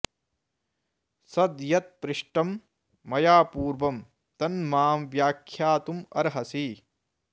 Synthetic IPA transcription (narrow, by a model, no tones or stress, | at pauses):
sɐd̪jɐt̪̚pɾɪʂʈɐmː | ɐjaːpuːɾʋɐm | t̪ɐnmaːmʋjaːkʰjaːt̪umɐ̰ɾɦɐsi